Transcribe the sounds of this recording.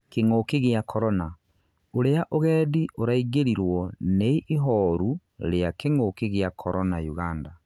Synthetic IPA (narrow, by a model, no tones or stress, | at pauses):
keŋokeɣeakʰɔɾɔna | oɾeaʔoɣɛːdioɾaiɣeɾiɾwɔneiʔiɦɔɾu | ɾeakeŋokeɣeakʰɔɾɔnajuɣanda